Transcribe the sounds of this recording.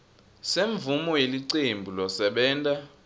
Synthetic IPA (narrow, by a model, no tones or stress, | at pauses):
seɱvumɔjeliǀembʱulɔsɛɓɛːntʼa